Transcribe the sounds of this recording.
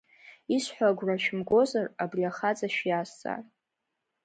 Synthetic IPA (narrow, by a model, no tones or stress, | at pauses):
isħʷaɡʷraʃᶣɪmɡʷo̞zarabriaχad͡zʼaʃjasa̰rʼ